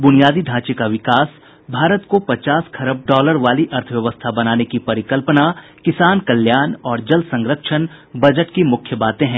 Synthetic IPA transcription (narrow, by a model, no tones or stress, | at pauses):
bʊnijaːd̪iɖʱãːt͡ʃekaʋɪkaːs | bʱaːɾət̪kopɐt͡ʃaːskʰɐɾəb̚ɖɔːləɾʋaːliʔɐɾt̪ʰəʋjɐʋəst̪ʰabɐnaːnekipɐɾɪkəlpəna | kɪsaːnkɐljaːnɔːɾd͡ʒɐlsɐ̃ŋɾəkʃən | bɐd͡ʒəʈkimʊkʰjəbaːt̪ẽɦɛ̃ː